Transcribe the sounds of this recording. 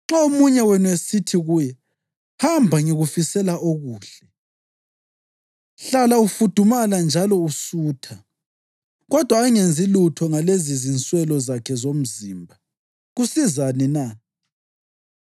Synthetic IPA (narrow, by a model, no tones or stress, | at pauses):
ŋ͡ǁaomuɲɛwɛnuesitʰiɣuːjɛ | hambʱaŋiɣufisɛlaʔoɣuːɬɛ | ɬalaufud̥ʱumaland͡ʒʱalɔusuːtʰa | ɣɔd̥ʱwaːŋend͡zʱilutʰɔŋalezizint͡sʼwɛlɔzakʰɛzom̩ziːmbʱa | ɣusizanina